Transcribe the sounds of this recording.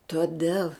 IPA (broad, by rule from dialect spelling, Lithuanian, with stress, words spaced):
toːˈdʲɛlˠ